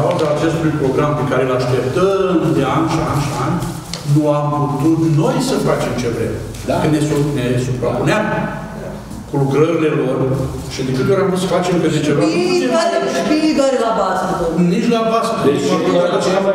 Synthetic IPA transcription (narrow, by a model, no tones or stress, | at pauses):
fad̪aat͡ʃe̞st̪ujpɾo̞ɡɾampekaɾelaʃt̪e̞pt̪əɨd̪eanʃianʃianʲ | nuamput̪ut̪no̞jsəfat͡ʃe̞mt͡ʃe̞vɾḛm | dakənesunt̪nesunt̪̚pɾapunea | kulukɾəɾile̞lo̞r | ʃid̪ĩkɨt̪joɾamput̪səfat͡ʃe̞mkəd̪et͡ʃelaaeiiɡ̪aɾlabasnit͡ʃd̪abask̪eiuat̪əea